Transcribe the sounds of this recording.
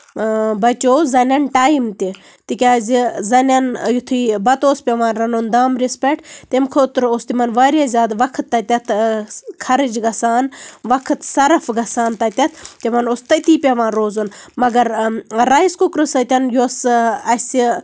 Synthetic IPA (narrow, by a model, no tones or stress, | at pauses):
bɐt͡ʃoːzɐnʲɐnʈaːjmt̪i | t̪ikʲaːzizɐnʲɐnjut̪ʰiːbɐt̪oːspʲeʋaːnɾɐnund̪aːmɾispʲeʈt̪emkʰot̪ɾost̪imɐnʋaːɾjazʲaːd̪ʋɐkʰt̪ːɐt̪ʲɐt̪ʰkʰɐɾɨd͡ʒɡɐsaːnʋɐkʰɨt̪sɐɾɐfɡɐsaːnt̪ɐt̪ʲɐt̪ʰt̪imɐnost̪ɐt̪iːpʲeʋãːnɾoːzunmɐɡɐɾːajskukɾɨsɐt̪ʲɐnjoːsɐsi